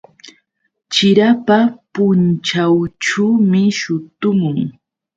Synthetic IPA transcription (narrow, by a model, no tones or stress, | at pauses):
t͡ʃɪɾapapʊnt͡ʃawʈ͡ʂuːmɪʃʊt̪ʊmʊŋ